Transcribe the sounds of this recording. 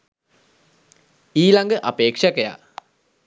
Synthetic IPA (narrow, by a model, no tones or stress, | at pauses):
iːlaŋɡəʔapeːkʂakəja̰